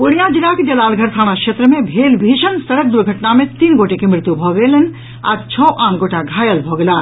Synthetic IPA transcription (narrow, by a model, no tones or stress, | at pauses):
ʊɽ̃ijad͡ʒɪlaːked͡ʒɐlaːlɡʱɐɾt̪ʰaːɽ̃akʃeːt̪ɾəmẽbʱeːlbʱiːʃənsɐɽək̚d̪ʊɾɡʱɐʈnamẽt̪iːnɡoːʈekemɾɪt̪jubʱɔːɡelən | a̰ːɾt͡ʃʰɔːʔãːnɡoːʈaɡʱaːjəlbʱɔːɡlaː